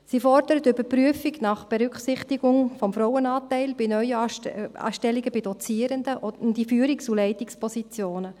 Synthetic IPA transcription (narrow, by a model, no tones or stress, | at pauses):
sifɔɾd̥əɾətʏbəɾpryəfiɡnɑχb̥eɾʏkχsɪχtiɡʊŋfɔmfɾɔwənɑːtɛɪlb̥ɪnœʏəɑ̰ːʃtɛliɡəbid̥ɔt͡siːəɾəndəʊndifyːɾɪksulɛɪtɪkspʰɔsit͡sjoːnə